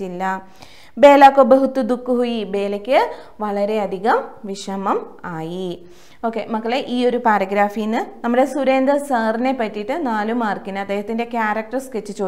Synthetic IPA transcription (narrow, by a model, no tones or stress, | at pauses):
ilːɐ | be̞ːlaːkːobɐɦut̪ːud̪ukːuɦujibe̞ːlɐkʲːɨ | ʋɐɭɐɾe̞ɐd̪ʱiɣɐmʋiʂɐmɐmaːji | o̞ːkːe̞mɐkːɐɭeʔiːo̞ɾupaːɾɐɡɾaːfijinːɨnɐmːɐɽesuɾe̞ːnd̪ɐsɐːrine̞pːɐtːiʈːɨnaːlumaːrkinɐɐd̪e̞ːɦɐt̪ːinde̞kʲjaːɾɐk̚ʈɐrsket͡ɕːɨt͡ɕo̞ː